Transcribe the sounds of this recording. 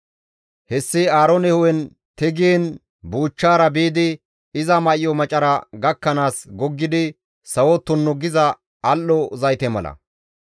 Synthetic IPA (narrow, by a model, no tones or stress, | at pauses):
hɛsːɪaːɾɔnɛhʊwɛn | t̪ɛɡɪɛn | buːt͡ʃːaːɾɐbeːd̪ɪ | ɪzɐmɐʔɪjɔmɐt͡ʃʼɐɾɐɡɐkːɐnaːsɡɔɡːɪd̪ɪ | sɐwɔt̪ːʊnːɔɡɪzɐː | lːɔzɐjt̪ɛmɐlɐ̰